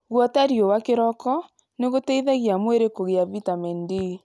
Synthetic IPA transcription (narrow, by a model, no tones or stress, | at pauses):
ɣwɔtaɾjowakeɾɔkɔ | neɣotɛiðaɣjamweɾekoɣeavitamɛndi